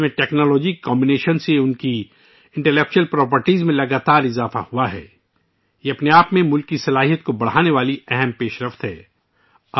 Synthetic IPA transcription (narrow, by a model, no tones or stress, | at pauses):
mẽʈɛːknɔːlɔːd͡ʒikːɔ̃ːmbɪneːʃənseʊnki | ɪ̃ɳʈɛlɛk̚t͡ʃuəlpɾɔːp̬əɾʈiːzmẽlɐɡaːt̪aːɾɪzaːfa̰huaɦɛ̰ː | jeɐpneaːpmẽmʊlkːisɐlaːɦijət̪̚kobɐɽ̤aːneʋaːliɛɦɛmpeːʃɾɐft̪ɦɛ̰ː